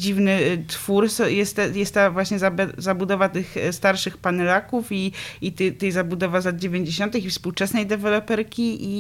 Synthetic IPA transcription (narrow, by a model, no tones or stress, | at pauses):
d͡ʑivnɘt̪fuɾsɔjɛst̪ːɛjɛst̪t̪ːavwaɕɲɛzabzabud̪ɔvat̪ɘxst̪aɾʂɘxpanɛlakufiit̪t̪ɛjzabud̪ɔvazlad̪̚d͡ʑevʲjeɲd͡ʑeɕɔnt̪ɨxifspuwt͡ʂɛsnɛjd̪ɛvɛlɔpɛɾkʲiʔi